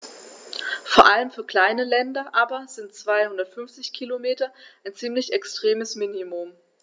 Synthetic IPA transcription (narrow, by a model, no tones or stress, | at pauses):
foːɐʔaləmfyːɐkl̥aɪnəlɛndɐʔaːbɐz̥ɪntt͡sv̥aɪhʊndɐtfʏnft͡sɪçkʰilomeːtɐʔaɪnt͡siːmlɪçɛkstʁ̥eːməsminimʊm